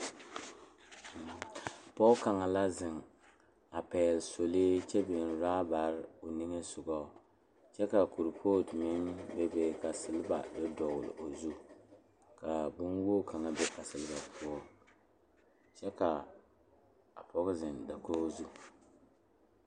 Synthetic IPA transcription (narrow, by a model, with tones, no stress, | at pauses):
pɔ˦ka˨ŋa˨la˦zɪ˨ŋ | a˨pɛː˨lso˨le˦t͡ʃɛ˦bɪ˨n˨ɾaː˦ba˨ɾɪ˦o˨nɪ˦ŋe˦sʊ˨ɡɔ˦˨ | t͡ʃɛ˦ka˨ku˨ɾpʰoː˦˨dmɪ˦nbɛ˦bɛ˦ka˨sɨ˨lɨ˦ba̰˨bɨ˦dɔ˨wlɨ̰˨ʔo˨zu˦ | ka˨bʊ˦nwoː˦ka˨ŋa˨bɛ˦ka˨sɨ˨lɨ˦ba˨pʰu˦ɔ˦ | t͡ʃɛ˦ka˨ | a˨pɔ˦ɣʊ˦zɪ˨nda˨koː˦zu˦